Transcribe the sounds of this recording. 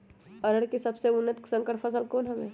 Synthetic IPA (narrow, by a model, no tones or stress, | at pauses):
ɐɾəɽkisɐbseʊnːət̪ksə̃ŋkəɾpʰəs̬əlkoːnɦɐmẽː